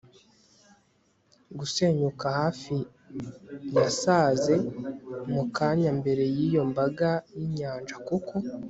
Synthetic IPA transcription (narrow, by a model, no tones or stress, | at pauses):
ɡuse̞ːɲukahaːfi | jasaːze̞mukaːɲambe̞ɾe̞jiːjo̞mbaɡajiɲaːnd͡ʒakukʰo̞